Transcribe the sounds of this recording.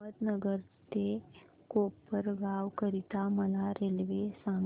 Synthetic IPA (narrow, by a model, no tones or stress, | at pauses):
əd̪nəɡəɾt̪e | koːpːəɾɡaːwkəɾit̪amɐlaɾeːlʋesãːŋ